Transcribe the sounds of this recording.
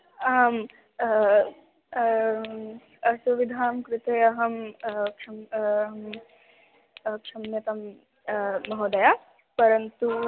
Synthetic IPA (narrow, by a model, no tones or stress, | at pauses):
am | ɐsuʋid̪ʱaːmkɾɪt̪eɐɦɐmkʃɐmɦm | kʂɐmjɐt̪ɐmː | ɐɦoːd̪ɐjaː | pɐɾɐnt̪u